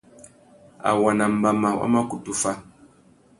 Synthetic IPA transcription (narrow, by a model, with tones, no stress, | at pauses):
a̰˨wa˨na˨m̩˨ba˨ma˨wa̰˦ma˦ku˨tu˦fa˦